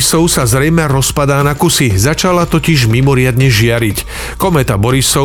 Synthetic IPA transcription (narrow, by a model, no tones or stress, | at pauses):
sɔʊsazɾɛjmɛɾɔspad̪aːnakusizat͡ʃalat̪ɔciʒmimɔɾɪad̪ɲɛʒɪaɾic | kɔmɛːt̪abɔɾisɔ